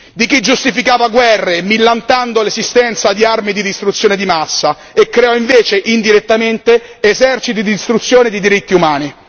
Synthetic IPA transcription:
d̪ik̟id͡ʒːust̪ifikaːvaɡwɛrːemilːant̪and̪olezist̪ɛnt̪sad̪iarmid̪id̪ist̪ɾut̪sjoːned̪imasːa | ekːɾeɔiɱveːt͡ʃeʔind̪iɾet̪ːament̪eːzɛrt͡ʃit̪id̪ist̪ɾut̪sːjoːned̪id̪iɾit̪ːiumaːni

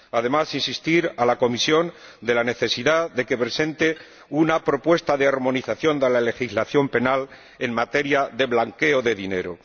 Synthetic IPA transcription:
aðe̞masinsist̪iɾalako̞misjo̞n | d̪e̞lane̞θe̞siðaðe̞ke̞pɾe̞sẽ̞nt̪e | unapɾo̞pwe̞st̪aðeaɾmõ̞niθaθjo̞nd̪e̞lale̞xizlaθjo̞mpe̞nal | e̞ŋmat̪e̞ɾjaðe̞βlaŋke̞o̞ðe̞ðine̞̰ɾo

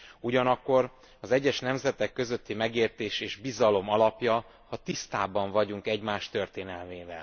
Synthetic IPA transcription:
uɟɒnɒkːo̞r | ɒzɛɟːɛʃnɛmzɛt̪ɛkːø̞zø̞t̪ːimɛɡeːrt̪eːʃeːʒbizɒlo̞mɒlɒpjɒ | hɒt̪ist̪aːbɒɱvɒɟuŋkɛɟmaːʃt̪ø̞rt̪eːnɛlmeːvɛ̰l

